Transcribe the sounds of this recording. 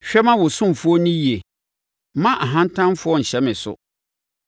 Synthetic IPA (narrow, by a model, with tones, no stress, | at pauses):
ɕᶣɛ˦mã˦wʊ˨sʊ̃˦m˨fʊ˦ɔ˦nĩ˦ji˨e˨˦ | mã˦ʔa˨ɦã˦n̩˦tʰã˦mfʊ˦ɔ˦˨ɲ̩˨ɕɛ˦mɪ̃˨sʊ̰˨